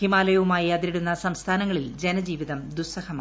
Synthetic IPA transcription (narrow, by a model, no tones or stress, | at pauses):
imaːlɐjɐʋumaːjiɐðiɾiɽunːɐsɐmst̪ʰaːnɐŋːɐɭild͡ʑenɐd͡ʑiːʋiðɐmd̪usɐhɐmaː